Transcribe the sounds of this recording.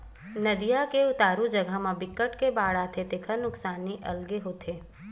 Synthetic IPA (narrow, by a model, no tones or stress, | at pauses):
nəd̪ijakeʊt̪aːɾũd͡ʒəɡəmãbɪkːəʈkebaːɽat̪ʰet̪ekʰənʊksaːnːiʔɐlɡeɦot̪ʰe